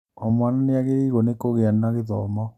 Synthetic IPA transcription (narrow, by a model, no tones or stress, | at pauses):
ɔmwananeaɣeɾiɣonekoɣeanaɣeðɔmɔ